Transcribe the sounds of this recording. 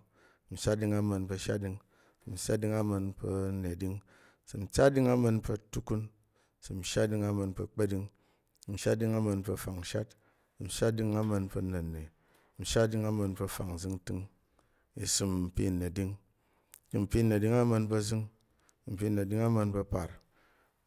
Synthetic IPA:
n̩˨ʃa˦tdi˧ŋa˧mɐ˧npɐ˧ʃa̰˦t̚di˧ŋ | sm̩˨ʃa˦di˦ŋa˦mɐ˧npə˧˦ne˨di˦ŋ˨ | sɨ˨m̩˨t͡ʃa˦di˦ŋa˦mɐ˧npɐ˧tu˦ku˦n | sɨ˨m̩˨ʃa˦di˧ŋa˦mɐ˧npɐ˧k͡pe˦di˧ŋ | m̩˨ʃa˦t̚di˧ŋa˦mɐ˧npɐ˧fa˨ŋ̩˨ʃa̰˦t̚ | sm̩˨ʃa˦di˧ŋa˦mɐ˧npɐ˧nɐ˨ne˨ | n̩˨ʃa˦di˧ŋa˦mɐ˧npɐ˧fa˨ŋ˨zɨ˧ŋ˦tɨ˦ŋ | i˨su˧mm̩˨pi˦˨ne˨di˦ŋ | i˨m̩˨pi˦ne˨di˦ŋa˦mɐ˧npə˧zɨ˦ŋ | m̩˨pi˦˨ne˨di˦ŋa˦mə˧npɐ˧pa˨ɾ

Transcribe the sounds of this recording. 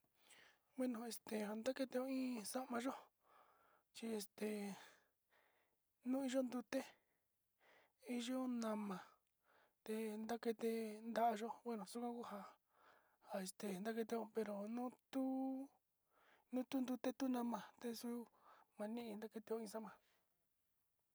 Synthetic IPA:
wʷe˦nõ˨e˨st̪e˨ha˧nd̪a˦ke˧t̪e˧õ˧ĩː˦sa˦ʔmã˧ʒo˦ | t͡ʃi˧e˧st̪e˨ | nũ˦i˧˦ʒo˦nd̪u˧t̪e˦ | i˧ʒo˦nã˧mã˨ | t̪e˧nd̪a˦ke˧t̪e˧nd̪a˧˦ʔa˧ʒo˦we˦nõ˨su˦kʷã˦ku˦ɦa˧ | ha˧e˧st̪e˨nd̪a˦ke˧t̪e˧õ˧pe˧ɾo˧nũ˦t̪u˦ | nũ˦t̪u˦nd̪u˧t̪e˦t̪u˦nã˧mã˨t̪e˧su˦mã˧nĩ˦ʔĩ˧nd̪a˦ke˧t̪e˧õ˧ĩ˧sa˦ʔmã˧

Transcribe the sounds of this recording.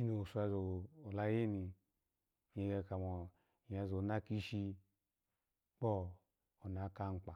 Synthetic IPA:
i˦no˨su˦a˧zo˨o˨la˧˦je˦ni˧ | je˧ɡe˧ka˨mɔ˨ | ja˧zo˨na˦ki˦ʃi˧ | k͡pɔ˦ | o˨na˨˦ka˦ŋ͡m̩˦k͡pa˨

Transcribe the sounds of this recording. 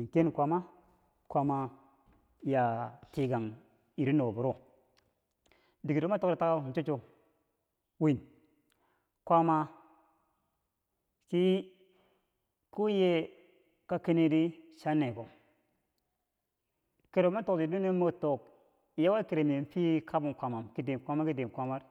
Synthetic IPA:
ke˦n˨kʷa˨ma˦ | kʷa˦ma˨ | ja˨ti˨ɡa˨ŋ | i˨ɾi˦no˨bu˨ɾo˦˨ | di˨ɡi˨do˦ma˦to˦kɾi˨˦ta˦ka˦˨n˨t͡ʃo˦t͡ʃo˦ | wi˦˨n | kʷa˦ma˧ | ki˦ | ku˦je˦ | ka˦ke˦ne˦di˦ʃa˦nːe˨ko˨ | ke˨ɾo˨˦ma˦to˦kdi˨du˦ne˦mo˦˨to˨k̚ | ja˦wa˦ke˨ɾe˨me˨m˦pi˦kʰa˦bu˨nkʷa˨ma˨mki˦de˨m˨kʷa˦ma˦ki˦de˨mkʷa˦ma˦ɾ

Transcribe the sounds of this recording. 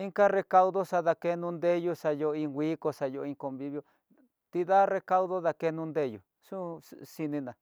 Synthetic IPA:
i˦ŋka˦re˧ka˧u˧ðo˦ʂa˧ða˧ke˧nũ˧nd̪e˦ju˧ʂa˧jo˧ĩ˧ɡʷi˦ko˧ʂa˧jo˧ĩ˧ŋko˧mbi˧˦βjo˧ | t̪i˧ða˦re˧ka˦u˦ðo˦ða˧ke˧nũ˧nd̪e˧˦˧jṵ˨ | ʂũ˦si˧nĩ˧nã˨

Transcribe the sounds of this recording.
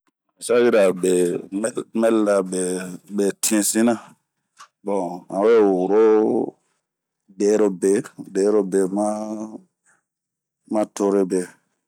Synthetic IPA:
i˨sa˦ji˦ɾa˨be˨m˦lmɛ˦lda˨be˨be˨ti˦ẽ˨sĩ˦nã˦ | bɔ̃˨ã˨we˦˨wo˨ɾo˦ | de˨˦ɾo˨be˨be˨˦ɾo˦be˨ma˦ | mã˦to˦ɾe˦be˨

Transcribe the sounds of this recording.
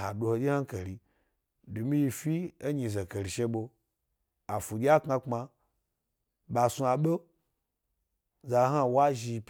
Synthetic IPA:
ha˨du˧ho˧d͡ʒʲi˦ha˦ke˨ɾi˨ | du˨mi˦ji˧fi˦e˦ɲi˧˨za˨ke˨ɾi˨ʃe˧ɓo˧ | a˨fu˨ɡʲa˦kŋa˧k͡pma˧ | ɓa˨su˧a˨ɓo˦ | za˨˦ɦa˦˨wa˦ʒi˧p

